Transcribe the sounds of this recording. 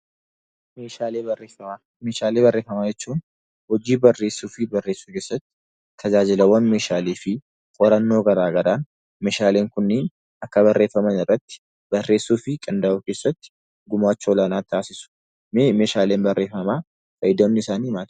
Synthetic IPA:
meːaːleːeɐ | meːʃaːleːbɐrːe̞ːfɐmaːd͡ʒɛt͡ʃːuːn | hɔd͡ʒiːbɐrːe̞ːsːuːfɪbɐrːeːsːuːke̞ːsːɐt̪ːɪ̥ | t̪ʰːɐd͡ʒaːd͡ʒɪlɐwːɐnme̞ːʃaːleːfɪ | kʼɔɾɐnːo̞ːɡɐɾaːɡɐɾaːn | me̞ːʃaːle̞ːŋkʊnːiːn | ɐkːɐbɐrːe̞ːfːɐmɐnɪrːɐt̪ːɪ̥ | bɐrːe̞ːsːuːfɪkʼɐnd̪ɐʔukeːsːɐt̪ːɪ̥ | ɡʊmaːt͡ʃːolɐnaːt̪ːaːsɪsʊ̥ | me̞ːʃaːle̞ːnbɐrːe̞ːfɐmaː | fɐjɪd̪onːɪɪsaːnihmaːt̪

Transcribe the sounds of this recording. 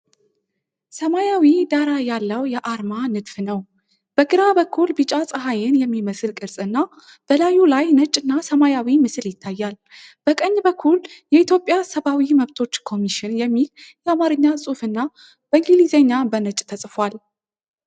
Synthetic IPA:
səmajawid̪aɾajalːəwjɛʔaɾmanɨd̪fnəw | b̥əɡɨɾabəkʰːulbɨt͡ʃʼasʼəɦajɪnjɛmːiməsɨlkʼɨɾsʼɨnːa | b̥əlajːulajnət͡ʃʼːɨnːasəmajawimɨsɨljɪt̪ʰːajːal | b̥əkʼəɲːbəkʰːuljɛit̪ʰjo̞pʼjasəβawiməβt̪ʰo̞t͡ʃːkʰo̞miʃɪnjɛmːiljɛamaɾɨɲːasʼufɨnːa | b̥əŋɡilizeɲːabənət͡ʃʼt̪ʰəsʼfal

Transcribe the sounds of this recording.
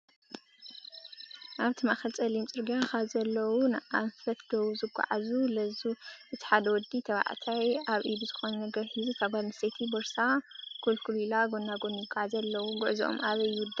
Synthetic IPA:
ʔaβt̪ʰɨmaxɐlt͡sʼɐlimt͡sʼɨɾɡiakazɐlːɐwunɨʔanfɐt̪d̪ɐwuzɨɡʷːa̰ʕazulɐzuʔɨt̪ʰi̥ħad̪ɐwɔd̪ːit̪ʰɐβa̰ʕt̪ʰajaβʔid̪uzɨxo̞nɐnɐɡɐɾħizukʰaβɡalnɐset̪ʰiboɾsaɡ̥ʰolkʰulilaɡondaɡo̞njɪɡːaʕazɐlːɐwuɡʊʕziʔo̰mʔaβɐjwʊd̪ːɐ

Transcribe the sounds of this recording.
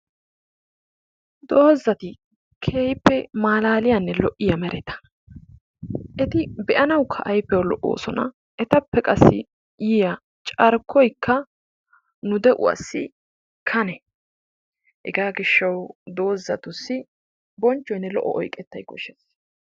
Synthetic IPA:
d̪o̞ːzːɐt̪ɪ | kʰeːjpːɛmaːlaːlɪjɐnːɛlɔʔːɪjɐmɛɾʔɛt̪ɐ̥ | ʔɛt̪ɪbɛʔɐnɐwkʰːɐʔɐjpːɛwɐlɔʔo̰ːsɔnɐ | ɛt̪ɐpːɛkʼɐsːɪ̰ | jɪjɐ | t͡ʃʼɐɾkʰːɔjkːɐ | nʊd̪ɛʔʊ̰ɐ̰sːɪ̰ | kʰɐnɛ | hɛ̰ɡaːɡɪʃːɐwd̪o̞ːzːɐt̪ʊsːɪ | bɔnt͡ʃːɔjnːɛlɔʔːɔ̰ʔɔ̰jkʼɛt̪ːɐjkɔʃes

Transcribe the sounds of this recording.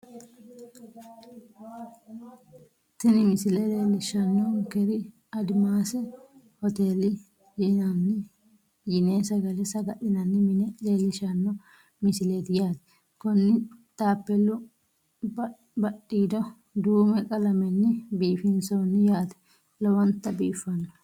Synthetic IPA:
t̪ɪnɪmɪsɪlɛleːlɪʃɐnːɔkɛɾɪ | ɐd̪ɪmaːsɛ | hɔt̪eːlɪ | jɪnɐnːɪ | jɪneːsɐɡɐlɛsɐɡɐʔɪnɐnːɪmɪnɛᶑeːlɪʃɐnːɔ | mɪsɪleːd̪ɪjaːd̪ɛ̥ | kɔnːɪt̪ʼaːpːɛlʊ | bɐɗːiːd̪ɔ | d̪uːmɛkʼɐlɐmɛnːɪbiːfɪnsoːnːɪjaːd̪ɛ̥ | lɔwɔnt̪ːɐbiːfːɐnːɔ

